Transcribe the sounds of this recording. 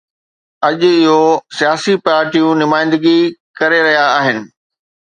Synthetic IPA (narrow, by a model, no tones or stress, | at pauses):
ɐʄɪɦosijaːsipaːɾʈijũnʊmaːɪ̃nd̪ɪɡikɐɾeɾɐɦijaːɦɪnɪ̆